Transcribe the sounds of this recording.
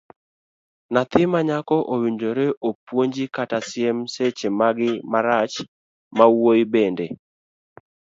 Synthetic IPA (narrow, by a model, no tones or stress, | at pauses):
nat̪ɪmaɲakɔʔowindoɾeʔopwoɲd͡ʒikatasɪɛmset͡ʃemaɡɪmaɾat͡ʃ | mawojbende